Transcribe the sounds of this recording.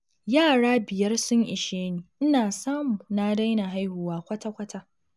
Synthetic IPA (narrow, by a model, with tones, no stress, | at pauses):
jaː˦˨ɽaː˦bɪ˨jɐ˦rsʊ˦ɲʔɪ˨ʃeː˦niː˨ʔɪ˦naː˨saː˦mu˨na˦da˦jna˨ɦa˦jhʊ˨waː˦kʷɐ˦ta˦kʷɐ˦ta˦